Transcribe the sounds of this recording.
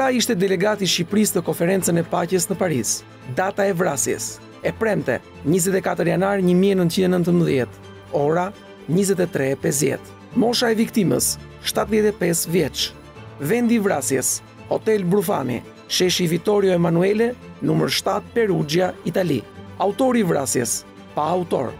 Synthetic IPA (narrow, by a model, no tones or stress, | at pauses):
ɾaiʃt̪ɛd̪ɛlɛɡat̪iʃipɾist̪əkɔnfɛɾɛnt͡sənɛpacəsnəpaɾis | d̪at̪aɛvɾasjɛ̰s | ɛpɾɛmt̪ɛ̰ | ɲizɛt̪ɛkat̪əɾjanaɾɲəmiɛnənt̪t͡ʃind̪ɛnənt̪əmbðjɛt̪ | ɔɾa | ɲizɛt̪̬ɛt̪ɾɛpɛs̬d̪jɛ̰t̪ | mɔʃaɛvik̚t̪imə̰s | ʃt̪at̪ðjɛt̪ɛpɛsvjɛt͡ʃ | vɛnd̪ivɾasjɛs | ɔt̪ɛlbɾufa̰nḭ | ʃɛʃivit̪ɔɾjɔɛmanuɛlɛnuməɾʃt̪at̪̚pɛɾud͡ʒjait̪alḭaut̪ɔɾivɾasjɛs | paːut̪ɔ̰ɾ